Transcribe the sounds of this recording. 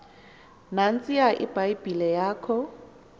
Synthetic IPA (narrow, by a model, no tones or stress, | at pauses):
nan̩t͡sʼijaʔɪ̰b̥aibilɛjaːkʰɔ